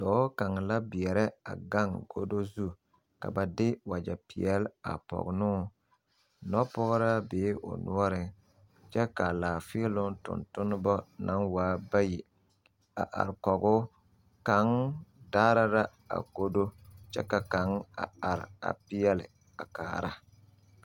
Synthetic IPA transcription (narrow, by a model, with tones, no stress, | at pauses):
dɔː˨˦ka˨ŋ˨la˦bɪ˨ɛ˨ɾɛ˦a̰˨ɡa˦ŋɡo˦do˦zu˦˨ | ka̰˨ba˨dɪ˦wa˨d͡ʒa˨pɪ˨ɛ˦la̰˨pɔ̰˨ɡʊ˨nʊ˦ | nɔ˦pɔ˦ɣɾa˦beː˨˦ʔʊ̰˨nṵ˦ɔ˦ɾɪ˨ | t͡ʃɛ˦ka˨laː˨fɪ˦lʊ˦ŋ˦tʊ̰˨ntʊ˦nʊ˦bɔ˦na˨˦ŋwaː˨˦ba˦ji˨ | a̰˨ʔa̰˨ɾɪ˨kɔ˨ɡʊ˦ | ka˨ŋdaː˦ɾa˦ɾa˦ | a̰˨ko˦do˦t͡ʃɛ̰˦ka˨ka˨ŋa˨a˨ɾɪ˨a̰˨pɪ˦jɛ˦lɪ̰˨ | a˨ka̰ː˨ɾa̰˦